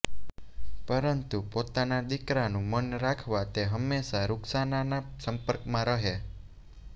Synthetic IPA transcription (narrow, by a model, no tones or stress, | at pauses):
pəɾənt̪upot̪anad̪ikɾanũmənɾakʰʋat̪eɦəmːesaɾuksananasəmpəɾkmãɾəɦe